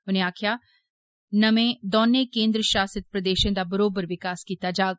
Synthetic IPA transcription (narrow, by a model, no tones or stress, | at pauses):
ʊnẽaːkʰja | nɐmẽd̪ɔːnːekẽːnd̪ɾəʃaːsət̪̚pɾɐd̪eːʃẽd̪abəɾoːbəɾʋɪkaːskiːt̪ad͡ʒaːɡ